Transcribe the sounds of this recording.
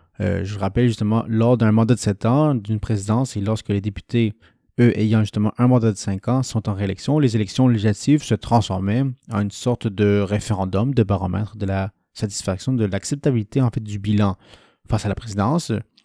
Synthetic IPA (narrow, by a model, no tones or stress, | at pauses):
ø̰ʒələʁapɛlʒyst̪əmɑ̰̃lɔʁd̪ɛ̃mɑ̃d̪ad̪əsɛt̪ɑ̃d̪ynpχezid̪ɑ̃selɔʁskəled̪epy̥t̪e | øʔejɑ̃ʒyst̪əmɑ̃ʔɛ̃mɑ̃d̪ad̪əsɛ̃kɑ̃sɔ̃t̪ɑ̃ʁeelɛksjɔ̃lezelɛksjɔ̃leʒilat̪ivsət̪χɑ̃sfɔʁmɛɑ̃ynsɔʁt̪d̪əʁefeʁɑ̃d̪ɔmd̪əbaʁɑ̃mɛ̰t̪χd̪əla | sat̪i̥sfaksjɔ̃d̪əlaksɛp̚t̪abilit̪eɑ̃fɛt̪̚d̪ybilɑ̃ | fasalapχezid̪ɑ̃s